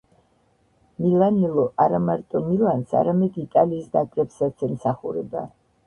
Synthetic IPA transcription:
milanilˠɔʔaɾamaɾt̪ʼɔmilansa̰ɾamɛd̪it̪ʼaliːsd̪akʼɾɛpsat̪sɛmsaχuɾɛba̰

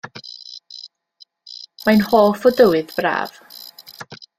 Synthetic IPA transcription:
manhoːfɔdəwɨðbra̰ːv̥

